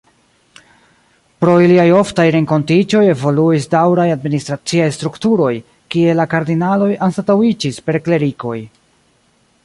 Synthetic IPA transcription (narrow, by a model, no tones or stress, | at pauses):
pɾo̞iliajo̞ftajɾe̞ŋko̞ntid͡ʒo̞je̞vo̞luisdawɾajadministɾat͡siajstɾuktuɾo̞j | kie̞lakaɾdinalo̞jansatawid͡ʒispe̞ɾkle̞ɾiko̞̰j